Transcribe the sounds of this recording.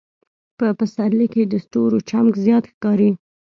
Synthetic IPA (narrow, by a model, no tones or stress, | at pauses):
pəpəsaɾliked̪əsʈoɾot͡ʃamkzjɑt̪xkɑɾi